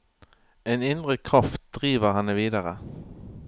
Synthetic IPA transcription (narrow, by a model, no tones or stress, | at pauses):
ɛnɪnd̪ɾəkʰɾaft̪̚d̪̥ɾiːvəɾhɑnːɛviːd̪aɾə